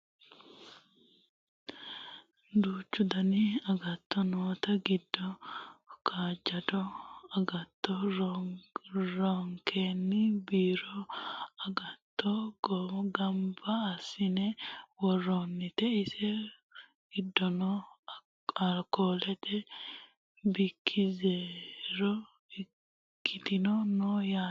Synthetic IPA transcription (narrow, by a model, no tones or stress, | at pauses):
d̪uːt͡ʃːʊd̪ɐnɪɐɡɐt̪ːɔnoːt̪ɐɡɪd̪ːɔ | kʰaːd͡ʒɐd̪ɔɐɡɐt̪ːɔɾ | ɾɔŋkʰeːnːɪbiːɾɔɐɡɐt̪ːɔɡɔɡɐmbɐːsːɪnɛwɔrːonːɪt̪ɛɪsɛ | ɡ̥ɪd̪ːɔnɔ | ɐkoːlɛt̪ʰɛ | bɪkʰːɪzeːɾɔ | ɪ | kʰːɪt̪ɪnɔnɔja